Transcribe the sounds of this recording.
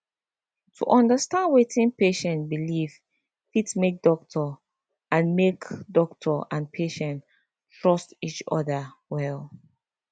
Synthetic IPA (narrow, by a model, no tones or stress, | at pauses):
tʰṵʔɔ̃ndəstãndwetʰĩnpeʃɛ̃nbiliv | fitsmek̚dɔk̚tʰɔ | ʔãnmekdɔk̚tʰɔãnpʰeʃɛ̃nt | tɹɔstit͡ʃɔ̰ða | wɛl